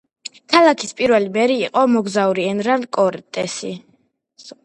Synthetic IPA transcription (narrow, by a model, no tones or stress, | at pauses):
kʰalˠakʰispʼiɾvɛlimɛɾiːqʼɔmɔɡzauɾiɛnɾand̪kʼɔɾt̪ʼɛsi